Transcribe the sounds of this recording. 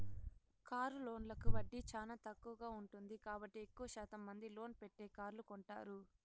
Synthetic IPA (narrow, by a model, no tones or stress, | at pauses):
kaːɾulo̞ːnlɐkuʋɐɖːit͡ʃaːnaːt̪ɐkːuʋɐɡaːuɳʈund̪ikaːbɐʈːiekːuʋɐʃaːt̪ɐmːɐnd̪ilo̞ːnpeʈːe̞ːkaːɾlukɔɳʈa̰ːɾu